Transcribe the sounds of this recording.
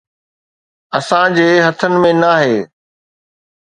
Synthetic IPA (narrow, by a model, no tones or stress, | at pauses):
ɐsãd͡ʑeːɦɐt̪ʰənɪ̆mẽnaːɦeː